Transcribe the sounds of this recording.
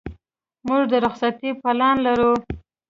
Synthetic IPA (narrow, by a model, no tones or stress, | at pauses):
muʐd̪əɾʊχsat̪ipalɑnlaɾu